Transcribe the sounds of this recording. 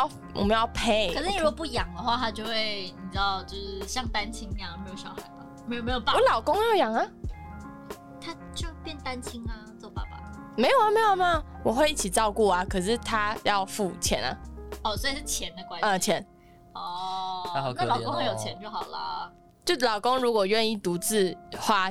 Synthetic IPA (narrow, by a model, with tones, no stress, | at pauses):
ɑ˥˧ | wɔ̰˨˩mə˧˦jɑ˥˧ʊpʰe˥ɪkə˨˩ʂɻ̩˥˩ni˨˩ɻu˦˥ɡɔ˨˩pu˥˩jɑ˨˩ŋd̪ə˦xwa˥˧˩t̪ʰa˥t͡ɕjo˥˧ʊxwe˥˩ɪni˨˩ʈ͡ʂ̩˥˩ɑ˥˧ʊt͡ɕjo˥˧ʊʂɻ̩˥˩ɕjɑ˥˩ŋt̪a˦˥nt͡ɕʰi˥ŋn˧a˥˩me˧˥jo˨˩ʊʂjɑ˨˩xa˨˧˦ɪba˨me˧˥jo˨˩me˧˥ɪjo˨˩a˥wɔ˧˦lɑ˨˩ʊkʊ˥ŋ˥jjɑ˨˩ŋɐ˨ | t̪ʰa˥ | t͡ɕo˥˧˩pjɛ˥˧nt̪a˥nt͡ɕʰi˥ŋɐ˧t͡swɔ˥˩pa̰˨˩pa̰˨˩ | me˧˥ɪjo˨˩a˧˩me˧˥ɪjo˨˩ma˧˩wɔ˨˩xwe˥˧ɪi˥˩t͡ɕʰi˨˩ʈ͡ʂɑ˥˧ʊku˥˩ɐ˩kʰɤ˨˩ʂ̬ɻ̩˥˧t̪ʰa˦jɑ˥˧ʊfu˥˩t͡ɕʰjɛ̰˧˥na̰˧ɔ˥˩swɔ˧˥i˨˩ʂɻ̩˥˩t͡ɕʰjɛ˧˦nd̪ə˧kwa˦nə˨t͡ɕʰjɛ˧˥n | ɔ˥˧a˦˨˩klɑ˨˩kõ˥ŋxjo˨ʊt͡ɕʰjɛ˧˦nt͡ɕjo˥˩ʊxɑ˨˩ʊlɐ̰˨ | t͡ɕjo˥˧˩lɑ˨˩ʊko˦ŋɻu˧˥kwɔ˨˩ɥɛ˥˧ni˥˩t̪u˨˧˥t͡sɹ̩˥˧˩xwa˥˧